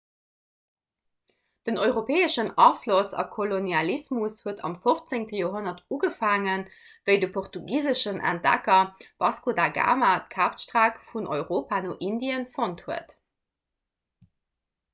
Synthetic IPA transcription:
d̥ənɔʏʁopʰeːəʃənɑflosɑ̰kʰolonjɑlismushuətʰɑ̰mfoft͡seŋtəjoːɦonɐtuɡəfaːŋən | vəɪdəpʰoχtuɡiːzəʃənʔæ̰nt̚d̥æ̰kɐb̥ɑskodaɡa̰ːmat̚kʰaːptʃtʁaːkfunʔo̰ʏʁoːpanoːʔindiənfonthuət

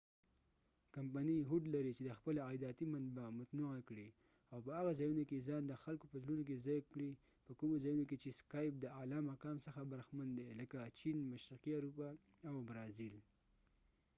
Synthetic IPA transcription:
kampaniɦuɖlaɾit͡ʃed̪əxpəlaɑjd̪ɑt̪imanbamʊt̪nuakɽi | awpəhaɣazɑjunokezɑnd̪əxalkopəzlunok̬ezɑjkɽi | pəkumozɑjunoket͡ʃeskɑjp̚d̪əalɑmakɑmsəxabaɾxmand̪eləkat͡ʃinmaʃɾiqiaɾupa | awbɾɑzil

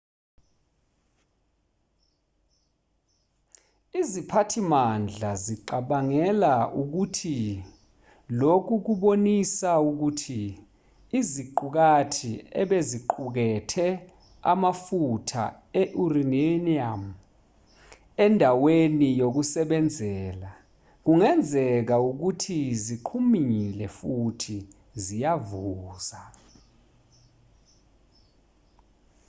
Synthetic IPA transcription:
izipʰatʰimand͡ɮʱaziǃaɓaŋɛlaʔuk̬utʰi | lok̬uk̬uɓonisauk̬utʰiː | ziǃuk̬atʰiɛɓeziǃuk̬ɛtʰɛ | a̰mafutʰa̰ | ɛʔurineniam | ɛndʱawenijok̬usɛɓɛnd͡zʱɛːla | k̬uŋɛnd͡zʱɛk̬auk̬utʰiziǃʰumilɛfutʰi | zijavuːza

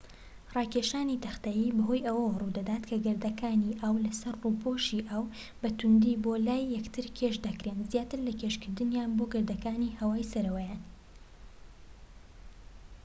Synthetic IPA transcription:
rˤɑːkeʃaːnit̪ɐxt̪ajiːbɐɦo̞jʔɐwɐwrud̪ɐd̪aːt̪kʰɐɡɨɾd̪ɐkaːniʔaːwlɐsɐrruːpʰoːʃiʔaːw | bɐt̪ʰʊnd̪ibolaːjːɐkt̪ʰɨɾkʲʰeʃd̪ɐkɾenzjaːt̪ɨɾlɐkʰeʃkɨɾd̪ɨnjaːnboɡɨɾd̪ɐkaːnihɐwaːjsɐɾɐwɐjan

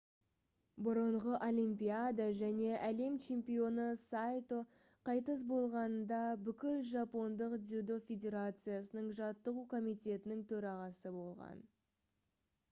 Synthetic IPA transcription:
bʊɾəɴʁəʔo̞lʲijmpʲiad̪aʒæne̞ʔæle̞mt͡ʃʰe̞mpijo̞nəsajt̪o | qʰɑjt̪əs̬bo̞lˠʁɑnənd̪ɑbʏkʲɪlʒɑpo̞nd̪əqd̪ud̪o̞fʲed̪ʲe̞ɾat̪sɨjasənəɴʒɑt̪ːəʁukʰo̞mijt̪ʲe̞t̪ɪnɪŋt̪ʰɵɾɑʁɑsəbo̞lˠʁɑ̰n

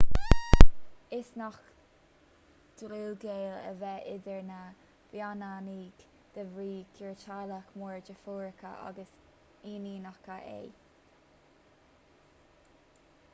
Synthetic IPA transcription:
ɪsnɔx | d̪̥ɾuːɡeːlə̰vɛʔɪd̪əɹna | b̥jananiːɡ | d̪̥əvɾiːkʰuɹt͡ʃalakmuːɹd͡ʒəfuːɹəkʰə̰ʔa̰ɡəs | iːniːnaxkaʔḛː

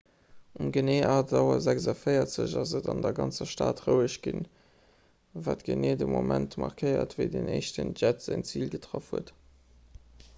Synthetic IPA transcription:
umɡəneːʔaːdɑʊɐzækzɐfəɪɐtz̥əʑɑzədɑndɐɡɑnt͡sɐʃtaːtʁəʊəʃɡ̥in | vaːtɡ̥əneːdəmomʔæntmɑʁkʰəɪɐ̰tvəɪdeneɪʃtənʒætz̥ænt͡siːlɡətʁɑfhuət

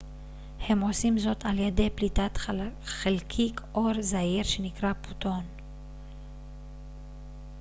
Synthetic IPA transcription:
he̞mo̞simzo̞t̪aljede̞jplit̪at̪χelkʰikʰʔo̞ɾzaiʁʃe̞nikʁapu̥t̪o̞n

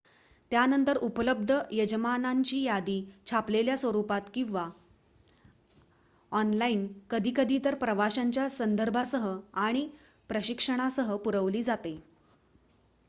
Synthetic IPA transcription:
t̪janənt̪əɾupələb̚d̪ʱəjəd͡ʑəmanaɲt͡ɕiːjad̪iːt͡ɕʰapleljasʋəɾupat̪kĩw̃ʋa | ɔnlaiːnkəd̪ʱiːkəd̪ʱiːt̪əɾpɾəʋaɕaɲt͡ɕjasənd̪ʱəɾbʱasəɦəaɽ̃i | pɾəɕikʂəɽ̃asəɦəpuɾəʋliːd͡zat̪e

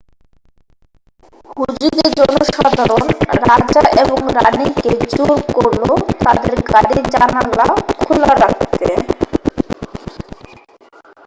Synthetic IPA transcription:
hud͡ʑid̪eɾd͡ʑɔnːoʃad̪ʱaɾonɾad͡ʑaʔeboŋɾaniked͡ʑoɾkoɾlot̪ad̪eɾɡaɽiid͡ʑanalakʰulaɾak̚t̪e

